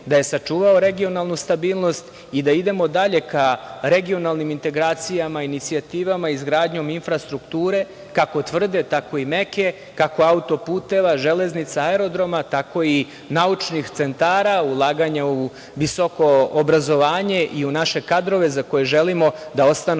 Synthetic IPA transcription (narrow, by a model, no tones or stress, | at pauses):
d̪aje̞sat͡ʂuːʋao̞ɾe̞ɡio̞nalˠnust̪abiːlˠno̞st̪ | id̪aid̪e̞mo̞d̪aʎe̞kaɾe̞ɡio̞nalˠnimint̪e̞ɡɾaːt̪sijamainit̪siat̪iːʋamaizɡɾaːd̪ɲo̞minfɾast̪ɾukt̪uːɾe̞ | kako̞t̪ʋr̩d̪e̞t̪ako̞ime̞ke̞ | kako̞aut̪o̞puːt̪e̞ʋaʒele̞znit̪saeɾo̞d̪ɾo̞mat̪ako̞i | naut͡ʃnixt̪se̞nt̪aːɾaulˠaːɡaɲau | ʋiso̞ko̞ːbɾazo̞ʋaːɲe̞ʔiunaʃe̞kad̪ɾo̞ʋe̞zako̞jeʒelimo̞d̪ao̞st̪anu